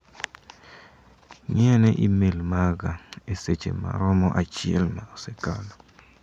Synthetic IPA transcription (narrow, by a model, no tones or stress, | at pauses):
ŋiɛnɛʔimelmaɡaeset͡ʃḛma̰ɾɔmɔʔat͡ʃɪɛlmaosekalɔ